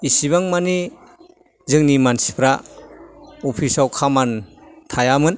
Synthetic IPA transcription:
isiβaŋmani | zɯŋnimansi̥pʰɾa | ɔpʰisawkʰamantʰajamɯn

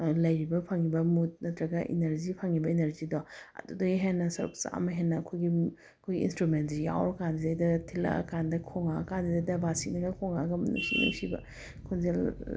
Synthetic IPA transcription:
lɐjɾibɐpʰaŋibɐmut̚nɐtɾɐɡɐʔḭneɾzipʰaŋibɐeneɾzidɔɐ̰dudɐiɦenːɐsɐɾṵk̚sa̰mɐɦenːɐɐkʰojɡi | ɐkʰojɡiḭnstɾumentzija̰wɾɔkandidajdɐtʰila̰kandɐkʰoŋa̰kandidajdɐbasinɐɡɐkʰoŋaɡɐmɐnṵsḭna̰ŋsibɐ̰ | kʰonzel

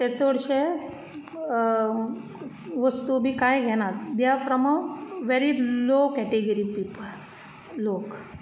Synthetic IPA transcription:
t̪et͡sʋəɽɕe | ʋəst̪ubʱiːkajɡʱɛñad̪jafɾɔmaʋʋeɾilokɛʈeɡəɾipipəl | lok

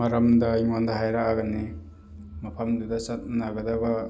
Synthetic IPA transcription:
maɾamdaiŋwandaɦajɾaʔaɡani | mapʰamdudasat̚nanaɡɐdaba

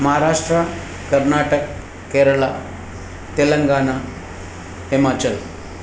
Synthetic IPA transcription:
məɦaɾaʂʈɾə | kəɾnaʈəkː | eɾəɭa | t̪eləŋɡana | himat͡ɕəl

